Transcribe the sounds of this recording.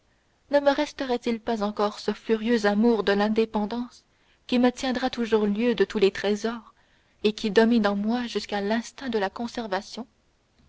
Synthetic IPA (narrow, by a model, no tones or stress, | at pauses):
nəməʁɛst̪əʁɛt̪ilpazɑ̃kɔʁsəfyʁjøzamuːʁd̪əlɛ̃d̪epɑ̃d̪ɑ̃s | kʲimət̪jɛ̃d̪ʁat̪uʒuʁljød̪ət̪ulet̪χezɔːʁ | ekʲid̪ɔminɑ̃mwaʒyskalɛ̃st̪ɛ̃d̪əlakɔ̃sɛʁvasjɔ̃